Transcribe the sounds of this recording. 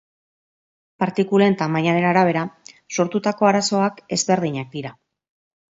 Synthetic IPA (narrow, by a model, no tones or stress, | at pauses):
paɾt̪ikule̞nt̪amaɲaðe̞naɾaβ̞e̞ɾa | so̞ɾt̪ut̪ako̞aɾaso̞ake̞zβe̞ɾðiɲak̚d̪iɾa